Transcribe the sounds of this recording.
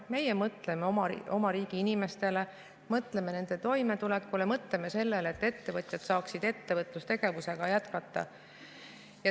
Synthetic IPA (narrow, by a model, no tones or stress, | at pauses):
me̞jemɤt̪le̞memo̞mɑɾiːɡ̥iinime̞st̪e̞le̞ | mɤt̪le̞me̞ne̞nd̪e̞t̪o̞jme̞t̪ulekːˑulemɤt̪le̞me̞se̞lːe̞let̪ːe̞t̪ːe̞vɤt̪jɑt̪sɑːksid̪̥e̞t̪ːe̞vɤt̪ˑlust̪e̞ɡ̥e̞vuse̞ɡ̥ɑjæt̪kɑt̪ˑːɑ̰ | jɑ